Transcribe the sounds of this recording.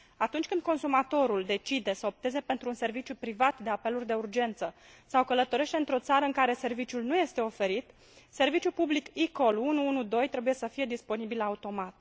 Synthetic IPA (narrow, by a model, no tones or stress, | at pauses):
at̪unt͡ʃʲkɨnd̪ko̞nsumat̪o̞ɾuld̪e̞t͡ʃid̪e̞səo̞p̚t̪eze̞pe̞nt̪ɾuːnse̞rvit͡ʃjupɾivat̪d̪e̞ape̞lurʲd̪e̞urd͡ʒe̞nt̪sə | sawkələt̪o̞ɾe̞ʃt̪e̞ɨnt̪ɾo̞t̪saɾəɨŋkaɾe̞se̞rvit͡ʃjulnuje̞st̪e̞o̞fe̞ɾit̪ | se̞rvit͡ʃjupublikiko̞lunuunud̪o̞jt̪ɾe̞buje̞səfije̞d̪ispo̞nibilaut̪o̞mat̪̚